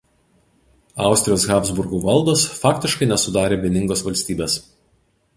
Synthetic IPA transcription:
ɑˑʊsʲt̪ʲɾʲɪjoːsɣɑːpzbʊɾɡuːʋɐlˠd̪oːsfɑːkʲt̪ʲɪʃkɐɪnʲɛsʊd̪ɑːɾʲeːʋʲiɛnʲɪŋɡoːsʋɐlʲsʲt̪ʲiːbʲeːs

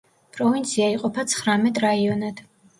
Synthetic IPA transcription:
pʼɾɔvint̪sʰiaiqʼɔpʰat̪sʰχɾamɛt̪ʼɾaiɔnad̪̥

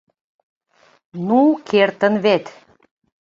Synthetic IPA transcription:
nukʰert̪ənβet̪

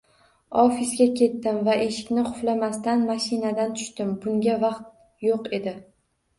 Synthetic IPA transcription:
ɒfisɡʲakʲʰe̞t̪ːɪmvaʔe̞ʃɪ̥kʲnɪqʰʊflamast̪anmaʃɪnad̪ant̪ʰʊ̥ʃt̪ɪmbʊŋɡʲavɑqt̪̚ | joqe̞d̪ɪ

